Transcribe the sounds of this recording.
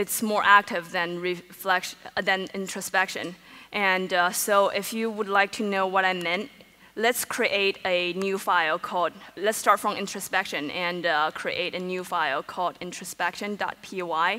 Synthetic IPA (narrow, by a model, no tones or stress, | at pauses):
ɨtsmɔɹʔæk̚tʰɪvðɨ̃nɹiflɛkʃðɨ̃nɪ̃ntʰɹ̥ɨspɛkʃɨ̰̃nʔɨ̃nsoʊʔɪfjɨwədˡlaɪk̚tʰɨnoʊwʌɾaɪmɛ̃nt̚ | lɨtskʰɹ̥iʔeɪɾɨnjʉfaɪl̩ˠkʰɔlˠd̚lɨtstɑɹtfɹʌ̃mɪ̃nt͡ʃɹ̥əspɛkʃɨ̃nɨ̃nʌkʰɹ̥ḭʔeɪɾɨnjʉfaɪl̩ˠkʰɔlˠdɪ̃nt͡ʃɹ̥ɨspɛkʃɨ̃ndɑ̰t̚pʰioaɪ